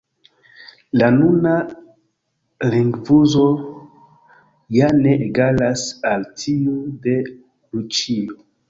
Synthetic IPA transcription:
lanuna | liŋɡvuzo̞ | janeʔeɡalasaltʰiude | lut͡ʃio

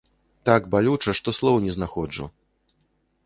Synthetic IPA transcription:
t̪aɡbalʲut͡ʂɐʂt̪ɔslˠɔwnʲɛznaxɔd͡ʐṵ

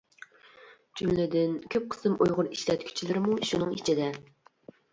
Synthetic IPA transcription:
d͡ʒymlɪd̪ɪnkʲʰøp̚qʰə̥sɨmojʁʊɾiʃlɛt̪kʲʰy̥t͡ʃʰilɪɾɪmuʃunɨŋiet͡ʃʰid̪ɛ

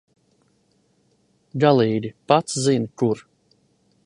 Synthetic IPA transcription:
ɡalˠiːd̪ʲipat̪szinkuɾ

